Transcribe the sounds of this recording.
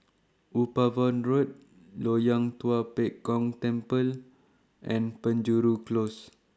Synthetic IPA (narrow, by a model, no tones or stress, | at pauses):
ʔupavɔ̃nɹut̚ | lojãŋt̪uapɛʔkɔ̃ŋt̪ɛ̃mpəl | ʔɛ̃npə̃nd͡ʒuɾuklos